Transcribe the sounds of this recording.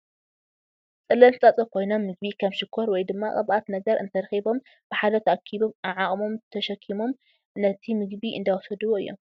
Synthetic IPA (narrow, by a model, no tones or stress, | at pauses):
t͡sʼɨlɐlt͡sʼɐt͡sʼɐkʰo̞jno̞mːɨɡ̚βikʰaβʃɪkʰːoɾwɔjd̪ɨmːakʼɐ̰βʔat̪nɐɡɐɾɨ̰nt̪ʰɐɾɐxibo̞m | b̥ɨħad̪ɐt̪ʰʔakʰːiβomaʕaχʼmo̞mt̪ʰɐʃɐkʰːimo̞m | nɐt̪ʰimɨɡbiʔɨ̰nd̪awɔsɐd̪ɨβoɨjːo̰m